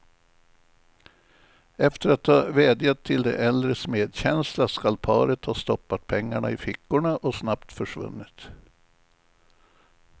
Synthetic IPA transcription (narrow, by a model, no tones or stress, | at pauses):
ɛft̪əɾat̪hɑːveːd̪jat̪ʰːɪld̪ɛ̰ʔɛld̪ɾəsmeːd̪ɕɛnslaskalpʰɑ̰ːɾət̪hɑst̪ɔpːat̪̚pʰɛŋːaɳa̰ɪfɪkːʊɳaʔɔsnapt̪fœʂvɵ̰nːɪt̪